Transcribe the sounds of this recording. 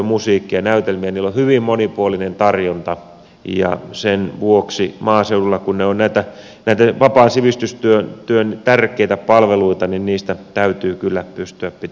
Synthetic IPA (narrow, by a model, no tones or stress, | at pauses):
musiːkːiɑnæyt̪elmiæniːlːohyʋimmonipuolinent̪ɑrjont̪ɑ | jɑ̰senʋuoksimɑːseululːɑkunneonnæit̪æ | næˑit̪æʋɑpɑːsiʋist̪yst̪yønt̪yønt̪ærkˑeit̪æpɑlʋeluit̪ɑninniːst̪æt̪æyt̪yːkylːæpyst̪yæppit̪